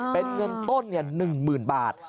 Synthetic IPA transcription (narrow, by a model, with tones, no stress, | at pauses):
pe˧nŋɤ˧nt̪o˥˩nːi˥˩ɐnɯ˨˩ŋmɯː˨˩nbaː˨˩t̪̚